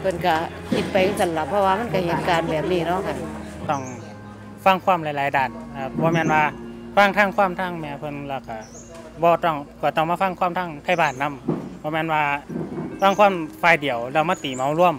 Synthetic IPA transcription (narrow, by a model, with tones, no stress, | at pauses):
pʰɤ˧˨nka˧˩ | ki˧˦t̪̚pa˨jɯ˧˥ŋsa˧˦nla˧˦pʰːɔ˧waː˧ma˧˥˨nka˧˩he˨˦nkaː˨˧nbɛː˨˩p̚niː˧˩˨nɔ˧˥˨kʰa˧˨ | t̪ɔ˧˩ŋ | fa˧˥˨ŋkʰwaː˧˥˨mla˧jlaː˨˧˦jdaː˧˩n̚aː˧˩bɔː˧˦mɛː˧˥˨nwaː˧fa˧˩˨ŋt̪ʰaː˧˥˨ŋkʰwaː˧˥˨mt̪ʰaː˧˨ŋmɛː˧˩pʰɤ˧˥˨nlɛː˧˩wka˧˩ | bɔː˧t̪ɔ˧˩ŋkaː˧˩t̪ɔ˧˩ŋmaː˧˨fa˧˥˨ŋkʰwaː˧˥˨mt̪ʰaː˧˥˨ŋt̪ʰa˧˥˨jbaː˧˩nna˧˥˨mb̥ɔː˧mɛː˧˥˨nwaː˧faː˧˥˨ŋkʰaː˧˥˨mfaː˧˩˨jdi˨˦əwlɛː˧˩wmaː˧˥˨t̪iː˨˩ma˨˦wlu˧˥˨əm